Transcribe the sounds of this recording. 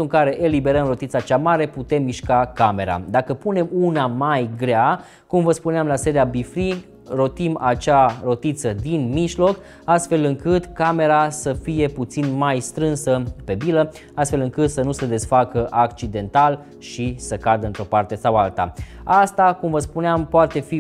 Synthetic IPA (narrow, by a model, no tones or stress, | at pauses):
uɨŋkaɾe̞ʔelibe̞ɾəmro̞t̪it̪sat͡ʃamaɾe̞put̪e̞mːiʃkakame̞ɾa̰d̪akəpune̞munamajɡɾea | kumvəspuneamlase̞ɾiabifɾi | ɾo̞t̪imat͡ʃaɾo̞t̪it̪səd̪inmiʒlo̞k | ast̪fe̞lɨŋkɨt̪kame̞ɾasəfije̞put̪sinmajst̪ɾɨnsəpe̞bilə | ast̪fe̞lɨŋkɨt̪sənusəd̪e̞sfakəʔakt͡ʃid̪e̞nt̪al | ʃisəkad̪əɨnt̪ɾo̞part̪e̞sawalt̪a̰ast̪akumvəspuneampoat̪e̞fi